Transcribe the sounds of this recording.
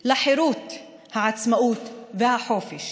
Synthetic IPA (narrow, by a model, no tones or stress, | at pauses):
laħɪɾuːt̪ | haʕat̪smaʔuːt̪vɪhaħoːfɪʃ